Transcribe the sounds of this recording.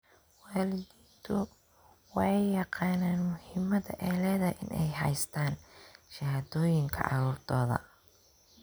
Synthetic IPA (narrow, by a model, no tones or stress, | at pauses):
waːlɪðiːnt̪ʰʊ | wɑħɑjːɑqɑːnaːnmʊhɪmɐðɐ̰ʔɛːlɛːðɐʔɪ̰nʔɛjɦɐ̰jst̪ʰaːnʃɐhaːðɔːjɪŋkʰɐ̰ʔɑ̰ɾuːrd̪ʰɔːðɐ̰